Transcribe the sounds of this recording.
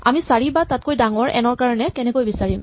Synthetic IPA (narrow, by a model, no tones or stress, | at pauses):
a̰misaɹibatat̚kojdaŋɔɹʔɛ̰nɔɹkaɹɔnɛkɛnɛkojbisaɹim